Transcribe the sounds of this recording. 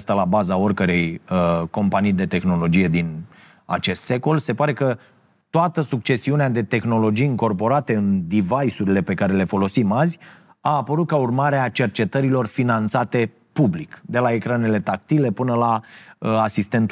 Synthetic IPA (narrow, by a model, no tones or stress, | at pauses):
st̪alabazao̞rʲkəɾe̞jəko̞mpanijd̪e̞t̪e̞xno̞lo̞d͡ʒije̞d̪in | a̰t͡ʃe̞st̪se̞ko̞lse̞paɾe̞kə | t̪oat̪əsuk̚t͡ʃe̞siunead̪e̞t̪e̞xno̞lo̞d͡ʒijiŋko̞rpo̞ɾat̪e̞ɨnd̪ivajsuɾile̞pe̞kaɾe̞le̞fo̞lo̞simazʲ | aːpəɾut̪̚kaurmaɾeat͡ʃe̞rt͡ʃe̞t̪əɾilo̞rfinant̪sat̪e̞ | publikd̪e̞lae̞kɾane̞le̞t̪ak̚t̪ile̞pɨnəlaəasist̪e̞nt̪